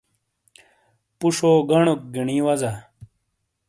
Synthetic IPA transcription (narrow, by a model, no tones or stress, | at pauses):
puʂoːɡɐɳok̚ɡiɳiːwɐzɐ